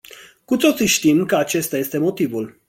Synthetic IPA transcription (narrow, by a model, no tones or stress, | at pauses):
kut̪o̞t̪siʃt̪imkəat͡ʃe̞st̪aje̞st̪e̞mo̞t̪ivul